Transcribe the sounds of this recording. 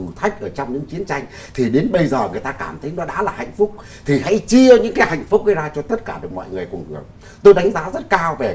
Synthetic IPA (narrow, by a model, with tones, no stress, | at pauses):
ɨ˨˩t̪ʰa˦˥jk̟̚ʔəː˧˩t͡ɕɔ˧wŋ͡mɲɨ̰˧˥ŋt͡ɕi˨˦ənt͡ɕa˧jŋ̟ | t̪ʰi˨˩ɗe˨˦nɓə˧jzəː˨˩ŋɨ˨˩əjt̪aː˧kaː˧˩mt̪ʰə˨˦jnɔ˨˦ɗa̰ː˧˥laː˨˩ha̰˧˨jŋ̟fʊ˦˥k͡p̚ | t̪ʰi˨˩ha̰˧˥jt͡ɕi˧əɲɨ̰˧˥ŋkaː˨˦jha̰˧˨jŋ̟fʊ˦˥k͡p̚ɗə˨˦zaː˧t͡ɕɔ˧t̪ə˦˥t̚kaː˧˩ɗɨ˨˩ək̚mɔ̰˧˨jŋɨ˨˩əjkʊ˨˩ŋ͡mʔɨ˨˩ək̚ | t̪o˧jɗa˨˦jŋ̟zaː˨˦zə˦˥t̚kaː˧wve˨˩